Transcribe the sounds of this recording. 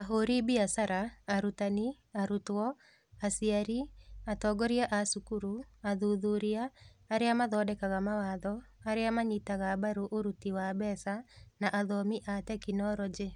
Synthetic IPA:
aɦoɾibiasaɾaːɾutani | aɾutwɔ | asiaɾiatɔɡɔɾiaʔasukuɾuaðuðuɾiaːɾeamaðɔdɛkaɣamawaːðɔaɾeamaɲitaɣabaɾuʔoɾutiwabɛsanaʔaðɔmiʔatɛkinɔɾɔd͡ʒe

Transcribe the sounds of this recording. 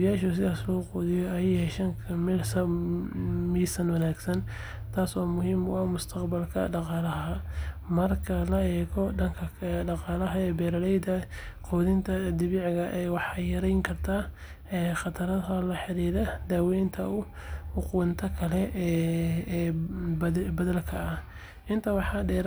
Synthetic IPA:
jaːʃʊs̬ɪðaːslɔːqɔːðɪjɔɐjhɛʃɐŋkʰɐmilsɐ | miːsɐnwɐnaːɡsɐn | t̪ʰaːswaːmʊɦiːmʊɐmʊst̪ʰɐqbɐlkʰɐ̰ɖɑqɑːlɐɦɦɐmɐrkʰɐlɐɛːɣɔɖɐŋkʰɐɖɑqɑːlɐɦɐɛːbɛːɾɐlɛjd̪ɐqʰɔːðɪnt̪ʰɐd̪ɪβiːʕɣɐʔɛjwɑħɑjɐɾɛjŋkʰɐrt̪ʰaː | ɛːχɑt̪ʰɐɾɐhɐlɐħɪɾiːðɐd̪aːwɛjnt̪ʰɐʊ | ʊqʊwnt̪ʰɐkʰɐlɛː | bbɐðɐlkʰɐːh | ʔɪnt̪ʰɐwɑħɑɖɛːɾ

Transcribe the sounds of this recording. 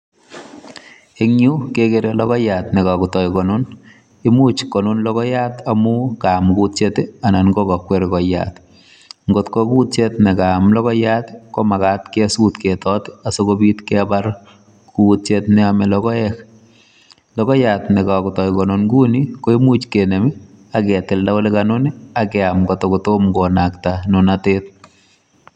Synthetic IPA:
eŋɲukekeɾelɔkɔjatnɛkakutɔjkɔnʊn | ɪmut͡ʃkɔnunlɔkɔjatamʊkamkutt͡ʃeteananɡɔkɔkweɾkɔja̰t | ŋɡotkokut̚t͡ʃetnɛkamlɔkɔjatkomakat̪kesutketɔtasokobiːtkɛbaɾ | kuːt̚t͡ʃetnɛamɛlɔkɔɛk | lɔkɔjatnɛkakʊtɔjkɔnonɡunikoimut͡ʃkenemi | akɛtɪldaolekanoniakɛamɡɔtokutomɡɔnaktanʊnateːt̚

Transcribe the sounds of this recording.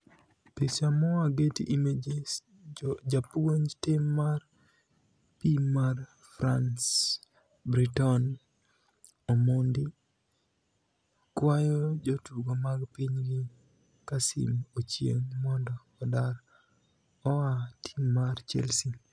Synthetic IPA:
pisamɔwaɡetiʔimed͡ʒe | d͡ʒapuwontɪmːar | pimːar | fɾans | bɾitɔn | omondi | kwajɔd͡ʒɔtuɡomaɡpiɲɡɪ | kasḭmot͡ʃjḛŋmɔndɔːdaɾ | ɔwatʰimːart͡ʃɛ̰lsi

